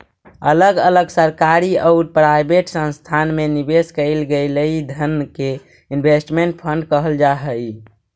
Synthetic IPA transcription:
ələɡələɡsəɾkaɾiəʊɾpɾajbeʈsə̃nst̪ʰanmenibeskəɪlɡələid̪ʱənke | inbʱesʈmeɳʈ̚pʰəɳɖkəɦəld͡ʒaɦəj

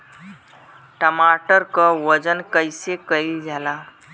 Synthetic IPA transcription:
ʈəmaʈəɾkəʋəd͡ʑənkəjsekəid͡zʱala

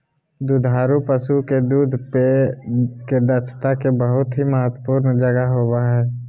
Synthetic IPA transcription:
d̪ud̪ʱaːɾupəsuked̪uːd̪ʱpe | ked̪ət͡ʃʰt̪akebəɦʊt̪ɦiməɦət̪wəpuːɾnd͡ʒəɡaɦoːwaɦɛː

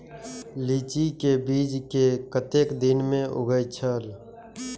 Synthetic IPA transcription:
liːt͡ʃikebiːd͡ʒkekət̪eːkd̪ɪnmẽʔʊ̰ɡəjt͡ʃʰəl

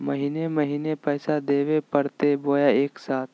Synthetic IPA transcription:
məɦineməɦiːnepɛːsad̪eːʋepəɽt̪eboːjaeːksaːt̪̚ʰ

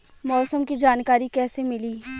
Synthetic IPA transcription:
mɔːsəmkid͡ʒaːnkaːɾikɛːsemɪliː

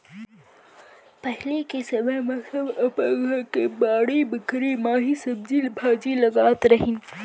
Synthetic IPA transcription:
pɐɦlekesɐbemɐɐbɐpaːɡakebaːɽibəkɾimaːɦisɐb̚d͡ʒilbʱaːd͡ʒilɐɡaːt̪ɾɐɦin

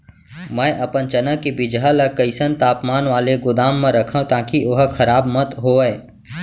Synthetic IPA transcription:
mɛ̃ːʔɐpənt͡ʃənəkibɪd͡ʒalɐkəɪsənt̪aːpmaːnʋaːleɡʊd̪aːmːẽɾɐkʰə̃t̪aːkiʔoɦkʰɐɾaːbmət̪ɦoːɛː

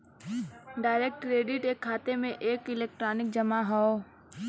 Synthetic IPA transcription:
ɖaːɪɾeːk̚ʈkɾeːɖɪʈeːkʰːaːt̪emẽʔeːkɪleːk̚ʈɾaːnɪk̚d͡ʒɐmaɦɔo

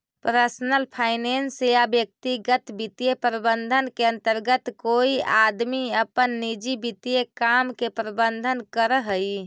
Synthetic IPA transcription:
pɾəɾsnəlpʰaɪnensjabjək̚t̪iɡət̪bit̪ijepɾəbənd̪ʱənkeə̃nt̪əɾɡət̪koiad̪miəpənːid͡ʒibit̪jekamkepɾəbənd̪ʱənkəɾəɦəj

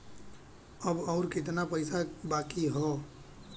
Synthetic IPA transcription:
əbɔʊɾkɪt̪̬napəɪsabaːkiɦɔː

